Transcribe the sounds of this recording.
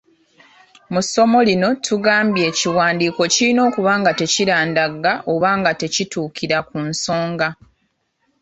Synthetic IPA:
muso̞mo̞lino̞tʰuɡaːmbje̞ːciwaːndiːko̞cilino̞ːkuβaːŋɡate̞ciɾaːndaɡaʔoβaːŋɡate̞cituːkiɾakunso̞ːŋɡa

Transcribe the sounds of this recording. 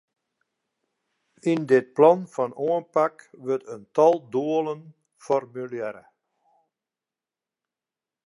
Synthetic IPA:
indɪt̚plɑnfɔnoənpakʋøtəntɔlˠduələn | fɔrmyljɛɾə̰

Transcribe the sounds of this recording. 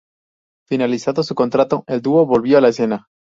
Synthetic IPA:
finalisanðosuko̞nt̪ɾat̪o̞eld̪uo̞βo̞lβjo̞alaese̞na

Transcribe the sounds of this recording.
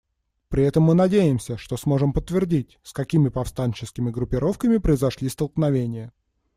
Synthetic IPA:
pɾʲɪɛt̪əmːɨnɐdʲejɪmsʲəʂt̪o̞smo̞ʐɨmpət̪ːvʲɪrdʲitʲskɐkʲimʲɪpɐfst̪anʲt͡ɕɪskʲɪmʲɪɡɾʊpʲːɪɾo̞fkəmʲɪpɾəɪzɐʂlʲist̪əlˠknɐvʲenʲɪjə

